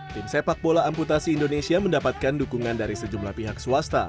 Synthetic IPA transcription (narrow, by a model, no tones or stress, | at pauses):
t̪imsepak̚bolaːmput̪asiːndonesiaməndapat̪̚kandukuŋandaɾisəd͡ʒumlahpiɦaksuast̪a̰